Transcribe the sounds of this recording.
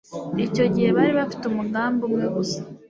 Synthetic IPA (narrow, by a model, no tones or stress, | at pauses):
ico̞ɟihe̞βaɾiβafi̥tumuɡaːmbumŋe̞ɡusḁ